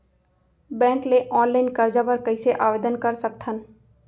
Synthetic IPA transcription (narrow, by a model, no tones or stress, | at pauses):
bɛ̃ːŋkleʔɔːnlaɪnkəɾd͡ʒapəɾkəɪseʔaːʋed̪ənkəɾsək̚t̪ʰən